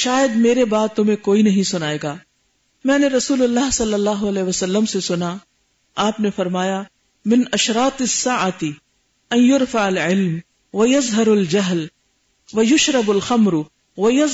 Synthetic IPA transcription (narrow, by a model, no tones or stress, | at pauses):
ʃaːjəd̪meːɾebaːd̪̚t̪ʊmẽkoːinɐɦĩsʊnaːeːɡaː | mɛ̃ːneɾɐsuːlʊlːaːɦsɐlːɐlːaːɦoɐlɛːʋɐsɐlːəmsesʊna | aːpnefɐɾmaːja | mɪnɐʃɾaːt̪ɪsːaːʕat̪ɪ | ɐ̃njʊɾfaʕɐlʕɪlm | ʋɐjɐzɦɐɾɐld͡ʒɐɦl | ʋɐjʊʃɾɐbɐlxɐmɾʊ | ʋɐjɐ